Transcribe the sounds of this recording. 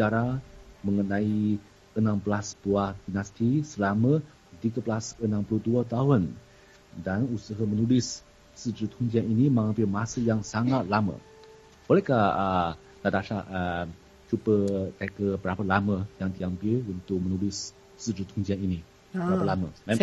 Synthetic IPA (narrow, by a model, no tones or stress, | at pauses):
ət͡ʃaɾaməŋənãi | ənãmblasbuahd̥inast̪isəlamə̃ | dikəblasənãmpəluduat̪aɦun | danusəɦamənulɪs | səd̪ɾət̪hund͡ʒianinimaŋapiəmasəjaŋsaŋat̪̚lamə̰ | b̥olɛhkahə | t̪adaʃaə | t͡ʃubət̪akəbəɾapalaməjaŋt̪iampiunt̪ʊk̚mənulɪs | sədɾət̪hund͡ʒianini | bbəəɾapalaməa